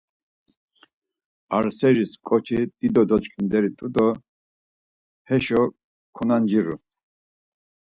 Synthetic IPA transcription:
aɾsɛɾiskʼɔt͡ʃʰid̪̥id̪ɔd̪ɔt͡ʃkʼind̪ɛɾit̪ʼud̪ɔ | hɛʃɔ | kʰunand͡ʒiɾṵ

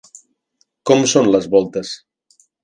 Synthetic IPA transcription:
kɔmsonləzβɔlˠt̪əs

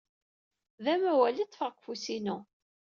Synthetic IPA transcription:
ðæmæwælit̪ːˤfəʁkʷfusinu

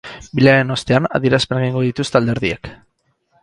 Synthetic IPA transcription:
bileaɾe̞no̞st̪e̞ana̰ðieɾaspenɡeiŋɡo̞ðit̪ust̪e̞ald̪e̞ɾðiek

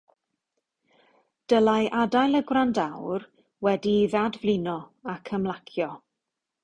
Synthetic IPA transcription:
d̥əlˠajʔadajlˠəɡwrandawr | wɛdiðadvlɪnɔakʰəmlˠakʰjɔ

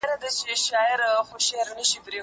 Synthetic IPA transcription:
ɾad̪at͡ʃeʃɑɪɾxoʃeɾnəʃipɾe

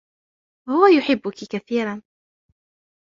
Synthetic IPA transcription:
hʊwajʊħɪbːʊkikaθiːɾan

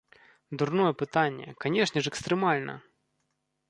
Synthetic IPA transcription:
d̪urnɔjɛpɨt̪anʲːɛ̰kanʲɛʂnʲɛʂɛkst̪ɾɛmalʲnɐ̰

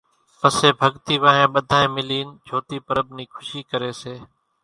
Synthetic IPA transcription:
pəseːbʱəɡt̪iːʋãːɦẽːɓəd̪ʱaːẽːmɪliːnd͡ʒʱoːt̪iːpəɾəbniːkʰʊʃiːkəɾeːseː

